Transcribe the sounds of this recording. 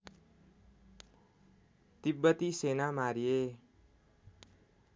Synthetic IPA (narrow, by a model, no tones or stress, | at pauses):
t̪ibːʌt̪isenamaɾije